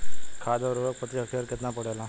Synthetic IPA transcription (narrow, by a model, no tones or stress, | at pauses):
kʰaːd̪ɔɾoɽək̚pət̪iəkʰeəɾkɪt̪napəɽelãː